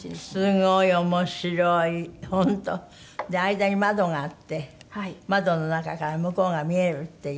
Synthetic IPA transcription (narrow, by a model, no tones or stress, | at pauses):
sɨŋoiomoɕiɾoihont̪o | d̪eaid̪aɲimad̪oŋat̪ːehmad̪ononakakaɾamɯkoŋamieɾɯt̪ːe